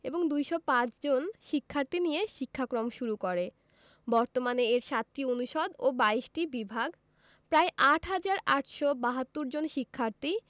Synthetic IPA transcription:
eboŋd̪ujʃɔpãt͡ɕd͡ʑonʃikʰːaɾt̪inijeʃikʰːakɾomʃuɾukoɾe | bɔɾt̪omaneeɾʃat̪ːioonuʃod̪obaiʃʈibibʱaɡ | pɾaeʔaʈʰɦad͡ʑaɾaʈʃɔbaɦat̪ːuɾd͡ʑonʃikʰːaɾt̪i

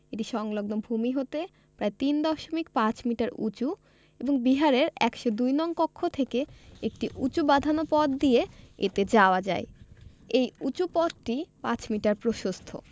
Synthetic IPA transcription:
eʈiʃɔŋloɡnobʱumiɦot̪e | pɾaet̪ind̪ɔʃomik̚pãt͡ɕmiʈaɾṵt͡ɕu | eboŋbiɦaɾeɾɛkʃod̪ujnɔŋkokʰːot̪ʰekeek̚ʈiʔut͡ɕubad̪ʱanopɔd̪̚d̪ieḛt̪ed͡ʑaoad͡ʑa̰e | ejut͡ɕupɔd̪ʈipãt͡ɕmiʈaɾpɾoʃost̪ʰo̰

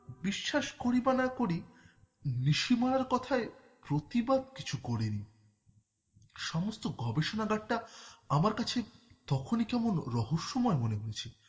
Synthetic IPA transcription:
biʃːaʃkoɾibanakoɾi | niʃimaɽaɾkɔt̪ʰae | pɾot̪ibad̪̚ki̥t͡ɕʰukɔɾeni | ʃɔmost̪oɡɔbeʃonaɡaʈːaamaɾkat͡ɕʰet̪ɔkʰonikɛmonɾɔɦoʃːomɔemoneɦoet͡ɕʰe

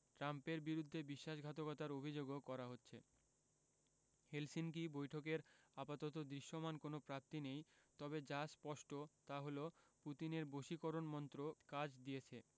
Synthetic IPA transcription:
ʈɾampeɾbiɾud̪ʱːebiʃːaʃɡʱat̪okɔt̪aɾobʱid͡ʑoɡokɔɾaɦotːɕʰḛ | helsink̬ibojʈʰok̬eɾapat̪ot̪̬od̪ɾiʃːomankonopɾap̚t̪inejt̪ɔbed͡ʑaspɔʃʈot̪aɦoloput̪ineɾboʃikoɾonmɔnt̪ɾokad͡ʑd̪ijet͡ɕʰe

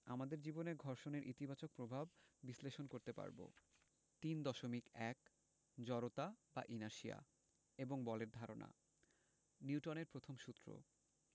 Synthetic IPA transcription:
amad̪eɾd͡ʑiboneɾɡʱɔɾʃoneɾʔḭt̪ibat͡ɕok̚pɾobʱab̚ːisleʃonkoɾt̪epa̰ɾbo̰ | t̪ind̪ɔʃomikɛk | d͡ʑɔɾot̪aba̰ʔinaʃia̰ | eboŋbɔleɾd̪ʱaɾo̰na̰ | niuʈoneɾpɾot̪ʰomʃut̪ːɾo̰

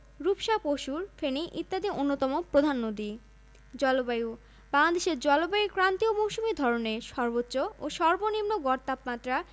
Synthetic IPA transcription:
ɾupʃapoʃuɾfeniʔit̪ːad̪iʔonːot̪ɔmopɾod̪ʱanːod̪i | d͡ʑɔlobaju | baŋlad̪eʃeɾd͡ʑɔlobajukɾant̪iomowʃumiɾd̪ʱɔɾoneʃɔɾbotːɕooʃɔɾbonimnoɡɔɾt̪apmat̪ːɾa

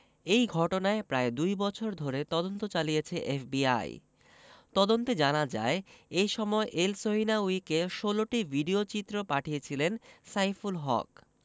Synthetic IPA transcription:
ejɡʱɔʈonaepɾaed̪ujbɔt͡ɕʰoɾd̪ʱoɾet̪ɔd̪ont̪ot͡ɕalijet͡ɕʰeʔefbia̰j̰ | t̪ɔd̪ont̪ed͡ʑanad͡ʑa̰eejʃɔmɔeʔelsoɦinaujkeʃoloʈibʱiɖiot͡ɕit̪ːɾopaʈʰijet͡ɕʰilensajfulɦɔ̰k

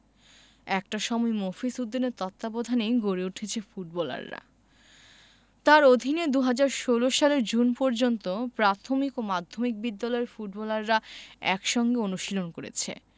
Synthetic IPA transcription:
ɛkʈaʃɔmɔemofisud̪ːineɾt̪ɔt̪ːabod̪ʱaneɡoɾeuʈʰet͡ɕʰefuʈ̚bɔla̰ɾːa̰ | t̪aɾod̪ʱined̪uɦad͡ʑaɾʃoloʃaleɾd͡ʑunpɔɾd͡ʑont̪opɾat̪ʰomikomad̪ʱːomik̚bid̪ːalɔeɾfuʈ̚bɔlaɾːaɛ̰kʃɔŋɡeonuʃilonkoɾḛt͡ɕʰḛ

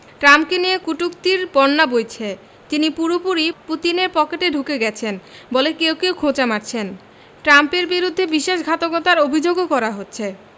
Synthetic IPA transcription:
ʈɾamkeniekuʈukt̪iɾbɔnːabojt͡ɕʰe | t̪inipuɾopuɾiput̪ineɾpɔkeʈeɖʱukeɡɛt͡ɕʰenbolekewkewkʰot͡ɕamaʈt͡ɕʰen | ʈɾampeɾbiɾud̪ʱːebiʃeʃɡʱat̪oɡot̪aɾobʱid͡ʑoɡokɔɾaɦotːɕʰe

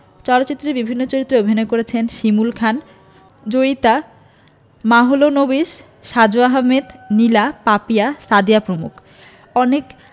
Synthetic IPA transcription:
t͡ɕɔlot̪ːɕit̪ːɾeɾbibʱinːot͡ɕoɾit̪ːɾeobʱinoekoɾet͡ɕʰenʃimulkʰan | d͡ʑojt̪a | maɦolonobiʃ | ʃad͡ʑoaɦamed̪nilapapiasad̪ijapɾomṵkʰ | ɔnek

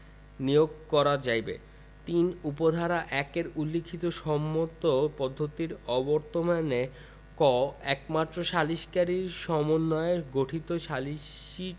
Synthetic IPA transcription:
nijoɡ̚kɔɾad͡ʑajbḛ | t̪inupod̪ʱaɾaʔɛkeɾulːikʰːit̪oʃɔmːot̪opɔd̪ʱːot̪iɾɔbɔɾt̪omane | kɔɛk̚mat̪ːɾoʃaliʃkaɾiɾʃɔmonːɔeeɡoʈʰit̪oʃaliʃ | i

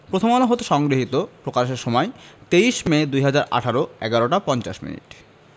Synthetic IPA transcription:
pɾot̪ʰomɔnoɦot̪oʃɔŋɡɾiɦit̪opɾokaʃeɾʃɔmɔet̪eiʃmed̪ujɦad͡ʑaɾʔa̰ʈʰaɾoɛ̰ɡaɾoʈapɔnt͡ɕaʃmḭnḭʈ

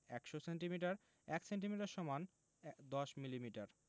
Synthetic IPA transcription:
ɛkʃoseɳʈimiʈaɾ | ɛksenʈimiʈaɾʃɔman | d̪ɔʃmilimiʈaɾ

